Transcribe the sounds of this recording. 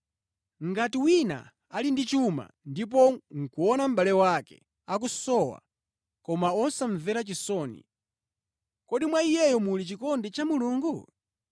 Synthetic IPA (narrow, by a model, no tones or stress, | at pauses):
ŋ̩ɡatiwina̰ | alindit͡ʃuma̰ | ndip̬ɔŋ̩kuɔnam̩ɓalɛwakɛ | ak̬usɔwa̰ | kɔmaɔnsaɱvɛɾat͡ʃisɔnḭ | kɔɗimwaijɛjɔmulit͡ʃikɔndɛt͡ʃamuluːŋɡu